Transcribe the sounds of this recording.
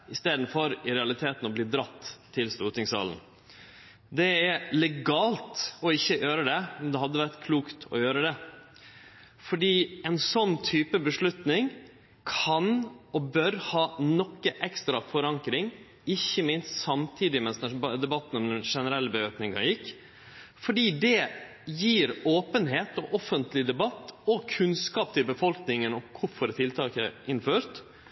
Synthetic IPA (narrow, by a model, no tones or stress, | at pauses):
ɪst̪eːd̪n̩fɔɾɪɾɛɑlɪt̪ʰeːt̪nɔbliːd̪ɾɑt̪ʰːɪlst̪uːt̪ɪŋsɑ̰ːlən̩ | d̪ɛæɾlɛɡɑːlt̪ɔɪçːəjøːɾəd̪ɛmɛnd̪ɛɦɑd̪ːəʋæɾʈ̪kʰluːkt̪ʰɔ̰jøːɾəd̪ɛ | fɔɖiːɛnsɔnːt̪ʰyːpəbəʂɭʉt̪nɪŋ | kʰɑnɔbœɾhɑːnɔkːəʔɛkst̪ɾɑfɔɾɑŋkɾɪŋ | ɪçːəmɪnst̪sɑmt̪ʰiːd̪ɪmɛnsd̪ɛd̪ɛbɑt̪ːn̩ɔmd̪ɛnʂɛnəɾɛlːəbəøːknɪŋɑ̰jɪkː | fɔɖiːd̪ɛ | jiːɾoːpənɦeːt̪ɔʔɔfənt̪lɪd̪ɛbɑt̪ːɔkʰʉnskɑːpt̪ʰɪlbəfɔlknɪŋənɔkʰʊɾfɔɾt̪ʰɪlt̪ʰɑːkə̰ʔɪnføːɾt̪